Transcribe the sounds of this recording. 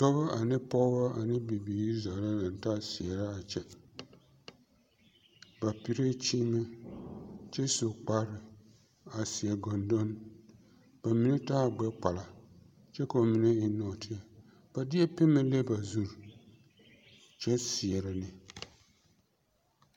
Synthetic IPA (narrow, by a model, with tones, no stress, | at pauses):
tɔ˦ba˦ʔa˨nɪ˦pɔ˦ba˦a˨nɪ˦bi˨biː˨i˦za˨la˦na˨n˨taː˦si˨ɛ˨ɾa˦a˨t͡ʃɛ˦ | ba˨pi˨ɾe˦t͡ʃi˦ma˦ | t͡ʃɛ˦so˨k͡pa˦ɾɪ˨ | a˨si˨ɛ˨ɡɔ˨ndɔ˦n | b̥a˨mi˦n˦taː˦˨ɡ͡bɛ˦k͡pa˨la˨ | t͡ʃɛ˦ka˨o˨mi˨˦na˦i˨no˨tɪ˦a˨ | b̥a˨dɪ˦ɛ˦pɪ˦mːɨ˦le˦ba˨zu˦ɾ | t͡ʃɛ˦sɪ˨ɛ˨ɾɪ˨nɪ˨